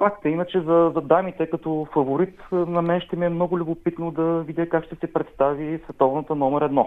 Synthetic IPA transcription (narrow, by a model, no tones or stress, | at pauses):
fakt̪əinət͡ʃɛzɐzɐd̪amit̪ɛkɐt̪ɔfɐvoɾit̪nɐmɛnʃt̪ɛmiɛmnɔɡʊlʲʊbopit̪nod̪ɐvid̪ʲjəkakʃt̪ɛsɛpɾɛt̪st̪avisvɛt̪ɔvnət̪ənɔmɛɾɛd̪nɔ